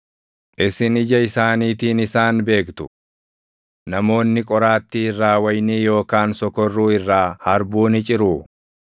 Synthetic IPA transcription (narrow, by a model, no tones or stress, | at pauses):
ʔɪsɪnɪd͡ʒɐɪsaːniːt̪iːnɪsaːnbe̞ːkt̪ʊ̥ | nɐmo̞ːnːɪkʼɔɾaːt̪ːiːɪrːaːwɐjniːjo̞ːkaːnsɔkɔrːuːɪrːaːhɐɾbuːnɪt͡ʃʼɪɾuː